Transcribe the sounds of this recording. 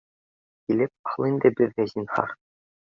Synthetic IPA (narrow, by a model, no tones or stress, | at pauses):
kilɘp̚ɑlˠind̪ɘbɘɾvæzinhɑ̰ɾ